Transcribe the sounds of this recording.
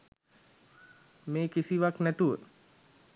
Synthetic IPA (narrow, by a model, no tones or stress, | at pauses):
meːkisiʋaknæt̪uʋə